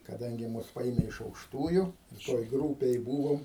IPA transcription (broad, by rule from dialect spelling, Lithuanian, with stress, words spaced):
kɐˈdɐŋʲɡʲɪ ˈmʊs ˈpɐeːmʲɛ ɪʃ ɐʊkʃˈtuːjʊ toːj ˈɡruːpʲeːj ˈbuːʋoːm